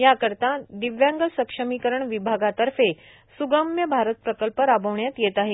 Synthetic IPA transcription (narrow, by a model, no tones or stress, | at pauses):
jakəɾt̪ad̪iʋjaŋɡəsəkʂəmikəɾəɳʋibʱaɡat̪əɾfe | suɡəmjəbʱaɾət̪̚pɾəkəlpəɾabəʋɳjat̪jet̪aɦe